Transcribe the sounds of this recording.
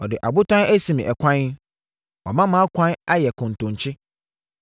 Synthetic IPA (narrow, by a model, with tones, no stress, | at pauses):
ɔ˨dɪ˨ʔa˨bʊ˦tʰã˦æ˦sĩ˨mĩ˨ʔɛ˨kʷʰã˦n˦ | ɔ̰˨mã˦mã˨˦a˦kʷʰã˦na˦jɛ˨kʰʊ̃˨n˨tʊ̃˨ɲ˨t͡ɕʰɪ˦